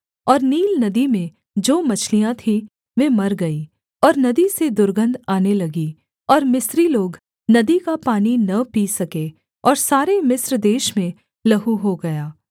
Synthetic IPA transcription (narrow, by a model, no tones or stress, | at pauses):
ɔːɾniːlnɐd̪imẽ | d͡ʒoːmɐt͡ʃʰlijãt̪ʰĩ | ʋeːmɐɾɡɐi | ɔːɾnɐd̪ised̪ʊɾɡə̃nd̪aːnelɐɡi | ɔːɾmɪsɾiloːɡ | nɐd̪ikapaːninɐpisɐke | ɔːɾsaːɾemɪsɾd̪eːʃmẽ | lɐɦuɦoɡɐjaː